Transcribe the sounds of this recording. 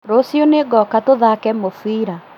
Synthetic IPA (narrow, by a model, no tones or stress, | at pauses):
ɾosjoneɡɔkatoðakɛmofwiːɾa